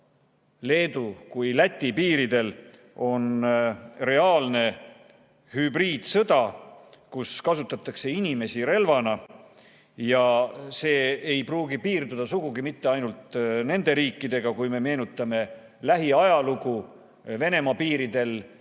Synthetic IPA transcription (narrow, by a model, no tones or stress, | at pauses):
le̞ːd̪ukujlæt̪ʲːipiːɾid̪e̞l | o̞n | re̞ɑːlne̞ | hybriːd̪̥sɤ̞d̪ɑkuskɑsut̪ːˑɑt̪ːˑɑkse̞inʲime̞siɾe̞lvɑnɑ | jɑse̞ːejpruːɡipiːrd̪ud̪̥ɑsuɡ̥uɡimit̪ːe̞ɑjnult̪ne̞nd̪̥e̞ɾiːkːˑid̪̥e̞ɡ̥ɑkujme̞me̞ːnut̪ːˑɑme̞ | læɦiɑjɑluɡu | ve̞ne̞mɑpiːɾid̪̥e̞l